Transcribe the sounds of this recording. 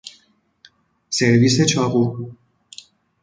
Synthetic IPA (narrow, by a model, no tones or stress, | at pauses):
seɾviset͡ʃʰɒɣu